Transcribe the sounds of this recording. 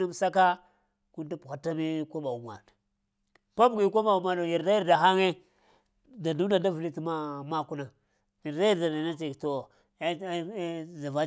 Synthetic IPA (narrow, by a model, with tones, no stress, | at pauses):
a˦m˦sa˦ka˦ | ku˦nta˦pu˨xa˨ta˦mi˦ko˦ba˨u˨m˨a̰˨ | pa˦bɡi˦ko˦ɓa˨u˨ma˨do˨ji˨ɾda˦ji˦ɾda˨ɦa˦ŋe˦ | da˨du˦da˨da˦vi˨li˦ti˦ma˦ma˦˨ku˦na˨ | ji˨ɾda˦ji˦ɾda˨da˨na˦ti˨kto˨˦ | za˨va˦